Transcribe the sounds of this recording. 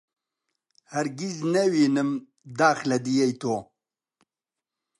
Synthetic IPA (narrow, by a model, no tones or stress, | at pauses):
hɐɾɡiznɐwiːnɨm | d̪aːxlɐd̪ijejt̪ʰoː